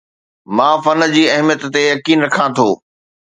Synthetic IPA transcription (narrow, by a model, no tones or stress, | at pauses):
mãːfɐn̆d͡ʑiːɐɦmjət̪ːejɐkiːnɾɐkʰãt̪ʰoː